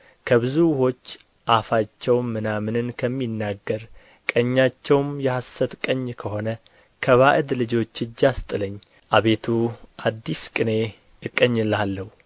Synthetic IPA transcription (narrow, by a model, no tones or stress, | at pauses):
kʰəβɨzuho̞t͡ʃː | ʔafat͡ʃːɛwmːɨnamɨnɨnkʰəmːinːaɡːəɾ | kʼəɲːat͡ʃːɛwmjɛhasət̪kʼəɲːkʰəho̞nə | kʰəβaʔɨd̪lɨd͡ʒo̞t͡ʃːɨd͡ʒːast̪ʼɨləɲː | ʔaβe̞t̪ʰuʔad̪ːiskʼɨne̞ | ɨkʼːəɲːɨlalːəhu